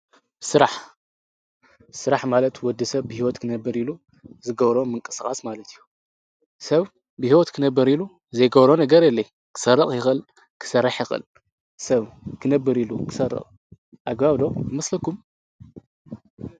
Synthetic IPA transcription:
sɨɾaħ | sɨɾaħmalɐt̪wɔd̪ɨsɐβbɨhiwɔt̪kʰɨnɐbːɨɾilu | zɨɡɐβɾo̞mɨŋkʼɨskʼasmalɐt̪ʰijːu | sɐβ | bɨhiwɔt̪kʰɨnɐbːɨɾilu | zɐjɡɐβɾo̞nɐɡɐɾjɛlːɐj | kʰɨ̥sɐrːɐχʼjɪxɨl | kʰɨ̥sɐrːaħjɪxɨ̰l | sɐβkʰɨnɐbːɨɾilukʰɨ̥sɐrːɨ̰χʼ | ʔaɡbaβlo̞bɨmɐslɐkum

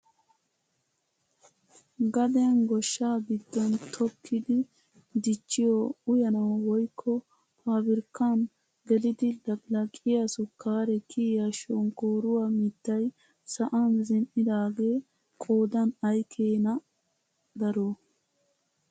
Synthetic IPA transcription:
ɡɐd̪ɛnɡɔʃːaːɡɪd̪ːɔnt̪ʰɔkʰːɪd̪ɪ | d̪ɪt͡ʃːɪjɔʊjɐnɐwwɔjkʰːɔ | pʰaːbɪɾkːan | ɡɛlɪd̪ɪd̪ɐɡlɐkʼɪjɐsʊkʰːaːɾɛkʰiːjaʃonkoːɾʊwaːmɪt̪ːɐj | sɐʔɐnzɪnʔɪd̪aːɡe̞ː | kʼoːd̪ɐnɐjkʰeːnɐ | d̪ɐɾo

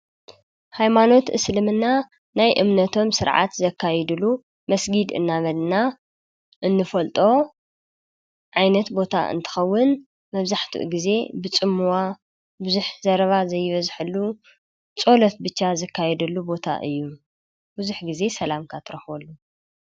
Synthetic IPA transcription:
hajmano̞t̪ʔɨ̰slɨmɨnːa | najʔɨmnɐt̪ʰo̞msɨɾʕa̰t̪zɐkʰːajɛd̪ɨlu | mɐsɡid̪ɨ̰nːaβɐlna | ʔɨnːɨfɐlt̪ʼo̞ | ʕajnɐt̪bo̞t̪ʰa̰ʔɨ̰nt̪ʰɨ̥xɐwːʊn | mɐβzaħt̪ʰṵʔɡize̞bɨt͡sʼɨmːuwa | bɨzuħzɐɾɐβazɐjːɪβɐzħɨlːu | t͡sʼo̞lɐt̪bɨt͡ʃːazɐkʰːajɛd̪ɐlːubo̞t̪ʰa̰ʔɨjːu | bɨzuħɡize̞sɐlamkʰat̪ʰɨɾɐxwɐlːu

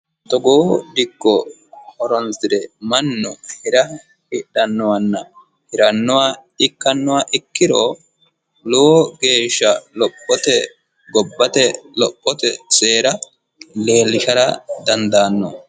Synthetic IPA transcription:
t̪ɔɡoːd̪ɪkːɔ | hɔɾɔnsɪɾɛmɐnːɔhɛɾɐ | hɪɗɐnːɔwɐnːɐ | hɪɾɐnːʊwaɪkːɐnːʊwaʔɪkːɪɾoː | loːɡe̞ːʃːɐlɔpʼːɔt̪ɛ | ɡɔbːɐt̪ɛlɔpʼːɔt̪ɛseːɾɐ | le̞ːlːɪʃɐɾɐd̪ɐnd̪aːnːɔ̰

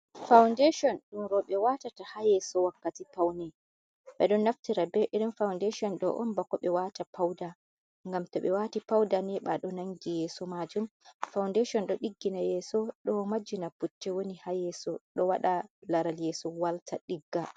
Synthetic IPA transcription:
fawndeʃɔnɗumɾɔɓɛwatatahajɛsɔwakːatipawnɛ | ɓɛɗɔnːaftiɾabɛʔiɾimfawndeʃɔnɗɔ̰ʔɔ̰nbakɔɓɛwatapʰawda | ŋɡamtɔɓɛwatipawdanɛɓaɗɔnaŋɡijɛːsɔmad͡ʒumfawndeʃɔnɗɔɗiɡːinajɛsɔɗɔmad͡ʒːinaputːɛwonihajɛsɔɗɔwaɗalaɾaljɛsɔwaltʰaɗiɡːa

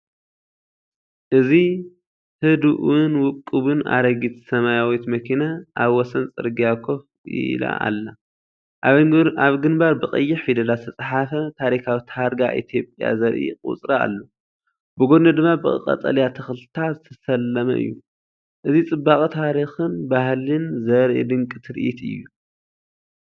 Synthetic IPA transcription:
ʔɨzi | hɨd̪uʔunwʊkʼːɨβɨna̰ɾɐɡit̪ʰsɐmajawit̪mɐkʰinaʔaβwɔsɐnt͡sʼɨ̰ɾɡijakʰof | ḭla̰ʔa̰lːa | aβɡɨnbaɾbɨqʼɐjːɪħfid̪ɐlaɨ̥t̪ʰɐt͡sʼħafɐt̪ʰaɾikʰawit̪ʰaɾɡaʔḭt̪ʰjo̞pʼja̰zɐɾʔḭkʼṵt͡sʼɾɐa̰lːo | bɨɡod̪nɐd̪ɨmːabɨɨ̰qʼɐ̰t͡sʼɐ̰ljat̪ʰɐxlt̪ʰazɨt̪ʰɐsɐlːɐmɐ̰ʔɨ̰jːu | ʔɨzit͡sʼɨbːakʼit̪ʰaɾixɨnbahlɨnzɐɾʔḭd̪ɨŋkʼɨt̪ʰɾɨʔit̪ɨ̰jːu

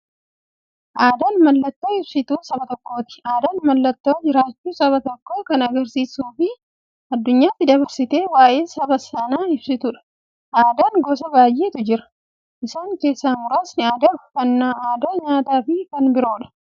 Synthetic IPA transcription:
ʔaːd̪aːnmɐlːɐt̪ːo̞ːɪbsɪt̪uːsɐbɐt̪ɔkːo̞ːt̪ɪ̥aːd̪aːnmɐlːɐt̪ːoːd͡ʒɪɾaːt͡ʃːuːsɐβɐt̪ɔkːoːkɐnɐɡɐɾsiːsuːfɪ | ɐd̪ːʊɲːaːt̪ːɪd̪ɐβɐɾsɪt̪e̞ːwaːjʔeːsɐbɐsɐnaːɪbsɪt̪ʊᶑɐ̥ | ʔaːd̪aːŋɡɔsɐbaːjʔeːt̪ʊd͡ʒɪɾɐ̥ | ʔɪsaːŋke̞ːsːaːmʊɾaːsnɪaːd̪ɐʊfɐnːaːaːd̪ɐɲaːt̪aːfɪkɐnbɪɾo̞ːᶑɐ̥

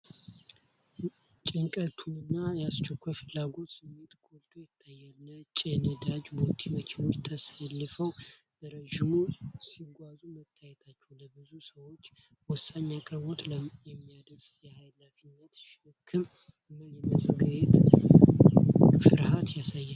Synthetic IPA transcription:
t͡ʃʼɪŋkʼət̪ʰunɨnːajɛast͡ʃʰɛkʷʰːajfɨlːaɡo̞t̪sɨmːe̞t̪ɡʰolt̪ʰojɛt̪ʰːajːalːət͡ʃʼɛnəd̪ad͡ʒbot̪ʼʰiwəkʰeno̞t͡ʃːt̪ʰəsalːɨfəw | b̥əɾəʒimusiɡʷazumət̪ʰːajɛt̪ʰat͡ʃːɛwləbɨzusəwo̞t͡ʃːwɔsaɲːakʼɨɾβo̞t̪ljɛmːijad̪əɾsjɛhajlafinːət̪ʃɨkʰɨm | məljɛməsʼɡɨɾet̪ | fɨɾhat̪jasajːal

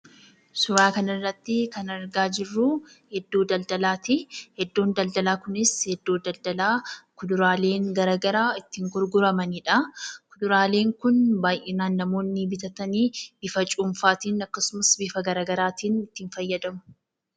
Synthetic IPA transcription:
sʊɾaːkɐnɪrːɐt̪ːɪkɐnɐɾɡaːd͡ʒɪrːu | hɛd̪ːoːd̪ɐld̪ɐlaːt̪ihɛd̪ːoːnd̪ɐld̪ɐlaːkʊnɪshɛd̪ːoːd̪ɐld̪ɐlaːkʊd̪ʊɾaːle̞ːŋɡɐɾɐɡɐɾaːɪt̪ːɪŋɡʊɾɡʊɾɐmɐniːᶑɐkʊd̪ʊɾaːle̞ːŋkʊnbaːjʔɛnaːnːɐmo̞ːnːɪbɪt̪ɐt̪ɐniːb̥ɪfɐt͡ʃʼʊmfaːt̪iːnɐkːɐsʊmɐsbɪfɐɡɐɾɐːɡɐɾaːt̪iːnɪt̪ːiːnfɐjːɐd̪ɐmʊ̥

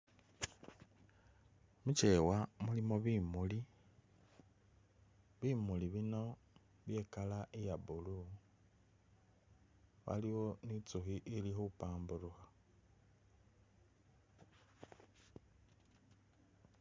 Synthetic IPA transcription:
mut͡ʃe̞wamulimo̞βimuli | βimuliβino̞ | βje̞ːkalaejaβulu | βa̰liwo̞nit͡suxiʔilixupaːmbuɾuxa

